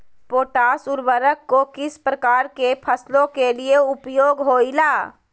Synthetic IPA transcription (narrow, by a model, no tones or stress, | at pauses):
poːʈaːsʊɾwəɾəkːokɪspɾəkaːɾkepʰəslõkelieʊpjoːɡɦoːilaː